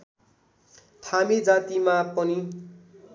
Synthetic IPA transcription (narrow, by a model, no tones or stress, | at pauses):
hʰamid͡zat̪imapʌni